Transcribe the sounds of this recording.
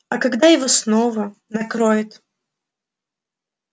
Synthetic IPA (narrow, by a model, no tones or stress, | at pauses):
ɐkaɡd̪ajɪvosnovənɐkɾojɪt̪